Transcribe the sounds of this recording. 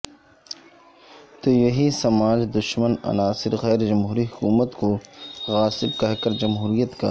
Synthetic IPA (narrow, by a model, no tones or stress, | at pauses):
t̪oːjɐɦisɐmaːd͡ʒd̪ʊʃmənɐ̰naːsɪɾɣɛːɾd͡ʒɐmɦuːɾiɦʊkuːmət̪koɣaːsɪb̚kɐɦkɐɾd͡ʒɐmɦuːɾijət̪ka̰ː